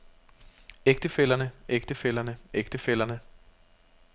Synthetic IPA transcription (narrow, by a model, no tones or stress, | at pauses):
eɡ̥̚d̥əfel̰ɐnəʔeɡ̥̚d̥əfel̰ɐnəʔeɡ̥d̥əfel̰ɐnə